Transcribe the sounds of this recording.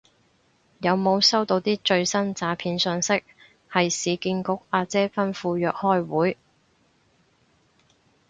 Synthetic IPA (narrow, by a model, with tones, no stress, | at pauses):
jɐ˨˧wmo˨˧wsɐ˥wt̪o˧wt̪iː˥t͡ʃɵ˧ɥsɐ˥nt͡saː˨˥pʰiː˧nsœː˨˧ŋsɪ˥k̚ | hɐ˨jsiː˨˧kiː˧nkʊ˨˥k̚aː˧t͡sɛː˥fɐ˥nfuː˧jœː˨k̚hɔː˥jwuː˨˥j